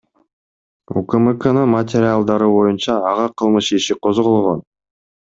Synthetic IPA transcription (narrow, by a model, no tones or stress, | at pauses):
ṵkəmɨkənənmət̪̬ʲɪɾʲɪalˠd̪ɑɾɯbo̞junt͡ʃɑːʁɑqʰɯlˠmɯʃiʃiqʰozʁolˠʁo̞n